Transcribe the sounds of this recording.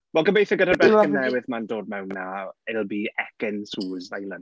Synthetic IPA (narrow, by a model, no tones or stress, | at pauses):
wɛlˠɡəbejθəɡədabɛənnɛwɪðmandoːd̚mɛwnːaɪlˠbiːɛkɪnsuːzajlən